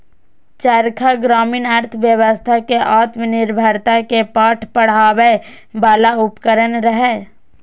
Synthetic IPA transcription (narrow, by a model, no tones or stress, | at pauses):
t͡ʃəɾkʰaɡɾaːminaɾt̪ʰəʋjəwəst̪ʰakeʔaːt̪mənɪɾbʱəɾt̪akepaːʈʰpəɽ̤aːwe | baːlaʊpkəɾənɾəɦɛː